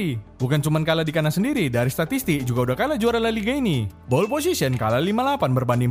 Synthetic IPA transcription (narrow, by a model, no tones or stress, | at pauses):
ibukant͡ʃumankaladikanasəndiɾidaɾist̪at̪ist̪ɪk̚d͡ʒuɡaudahkalad͡ʒuaɾanlaliɡainibɔlpos̬isiənkalalimalapanbərbandɪŋ